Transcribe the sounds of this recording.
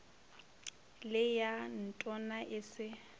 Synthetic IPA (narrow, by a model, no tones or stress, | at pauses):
lɪjan̩tʼɔnaʔɪsɪ